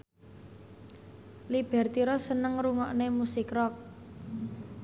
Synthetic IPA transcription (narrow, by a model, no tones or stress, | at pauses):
lib̥ɛ̤rt̪iɾɔsənəŋɾuŋɔʔnemusɪkrɔk̚